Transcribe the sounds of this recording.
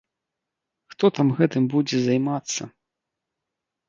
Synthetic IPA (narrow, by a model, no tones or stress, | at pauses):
xt̪ɔt̪amɣɛt̪ɨmbud͡zʲɛzajmat̪sːɐ